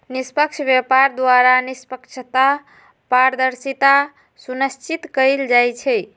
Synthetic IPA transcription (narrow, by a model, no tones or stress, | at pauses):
nispəkt͡ʃʰbjepaɾd̪waɾanispəkt͡ʃʰət̪a | paɾd̪əɾsit̪a | sunəst͡ʃit̪kəjld͡ʒajt͡ʃʰɛj